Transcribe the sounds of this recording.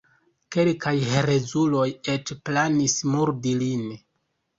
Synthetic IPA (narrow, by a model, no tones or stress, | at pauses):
ke̞lkʰajheɾe̞zulo̞je̞t͡ʃplanismuɾdilin